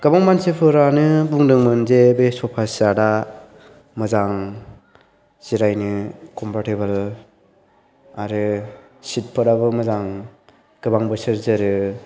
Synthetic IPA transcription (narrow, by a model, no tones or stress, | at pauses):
ɡ̥ɯbaŋmansɯpʰɯɾanɯbuŋdɯŋmɯnzebesɔpʰasada | mɯzaŋ | z̥iɾajnɯkʰɔmpʰaɾtebɯl | aɾɯ | sit̚pʰɯɾabɯmɯzaŋ | ɡ̥ɯbaŋbɯsɯɾzɯɾɯ